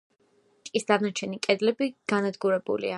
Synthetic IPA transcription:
t͡ʃʼkʼisd̪anat͡ʃʰɛnikʼɛd̪lɛbiɡ̥anad̪ɡuɾɛbṵlḭa

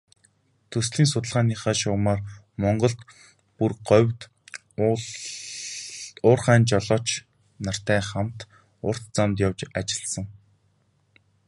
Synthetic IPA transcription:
t̪ʰɵsɮiːnsʊt̪ə̆ɮʁaːniːχaːʃʊwmaːr | mɔɴɢɞ̆ɬt̪ | purɢœwʲt̪ | ʊːrχæːnt͡ɕɔɮɔːt͡ɕ | nar̥t̪æːχam̥t̪ | ʊr̥t̪t͡samt̪jawt͡ɕat͡ɕɪ̥̆ɮsə̆ŋ

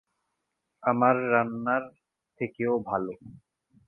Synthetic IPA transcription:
amaɾːanːaɾ | t̪ʰekeobʱalo

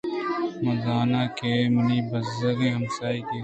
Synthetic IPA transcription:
mɐzaːnaːkeːmɐniːbɐzɐɾiːɦɐmsaːiːkeː

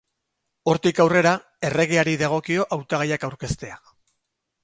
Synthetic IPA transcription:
o̞ɾt̪ikawre̞ɾa | e̞re̞ɣ̞eaɾiðaɣ̞o̞kio̞ʔawt̪aɣ̞ajakawɾke̞st̪e̞a

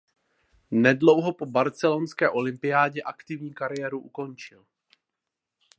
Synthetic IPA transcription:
nɛdlo̞wɦo̞po̞baɾt͡sɛlonskɛːʔo̞lɪmpɪjaːɟɛʔakt̪ɪvɲiːkaɾɪjɛːɾuʔuko̞nt͡ʃɪl

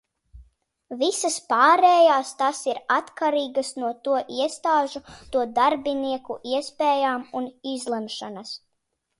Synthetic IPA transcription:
visaspaːɾɛːjaːst̪asiɾat̪kaɾiːɡɐsnuɔt̪uɔʔiɛst̪aːʒut̪uɔd̪aɾbiniɛkuʔiɛspɛːjaːmunizlˠɛmʃanas

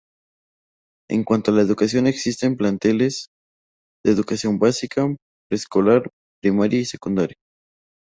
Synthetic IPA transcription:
ḛŋkwant̪oalae̞ðukasjo̞ne̞ksist̪e̞mplant̪e̞le̞z̥ | ðeːðukasjo̞mbasikʰa | pɾesko̞laɾ | pɾimaɾjaisekund̪aɾja

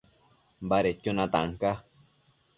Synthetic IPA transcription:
mbaɾet͡ʃːonãt̪a̰ŋka

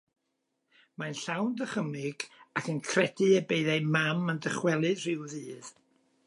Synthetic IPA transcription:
manɬawndəχəmɪɡ̥akənkʰrɛdɨəbeɨðejmaməndəχwɛlˠɨðr̥ɪwðɨːð̥

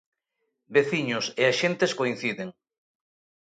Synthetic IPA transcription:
beθiɲʊseaʃent̪eskoĩn̟θiðeŋ

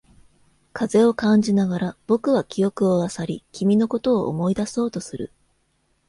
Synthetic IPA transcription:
kʰaze̞o̞kãɲ̟d͡ʑinaɡaɾab̥o̞kɯ̟βakʲijo̞kɯ̟oβasaɾʲikʲimʲino̞ko̞t̪o̞ːʔːmo̞id̪aso̞ːt̪o̞sɨɾɯ̟̰

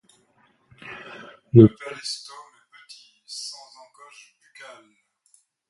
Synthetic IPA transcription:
ləpalɛst̪ɔnəpat̪isɑ̃zɑ̃ɡɔʃd̪ykalm

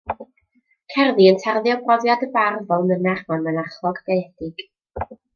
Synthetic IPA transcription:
kʰɛrðiəntʰarðjɔbrɔvjadəbarvɔlˠmənaχmanmənaχlˠɔɡ̥dejɛd̥ɪɡ̥

